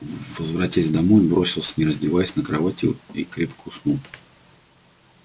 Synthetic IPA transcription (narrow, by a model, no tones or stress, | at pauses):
vəzvɾɐtʲasʲd̪ɐmo̞jbɾo̞sʲɪlˠsʲnʲɪɾəzʲdʲɪvajɪsʲnəkɾɐvatʲɪikɾʲepkʊsnu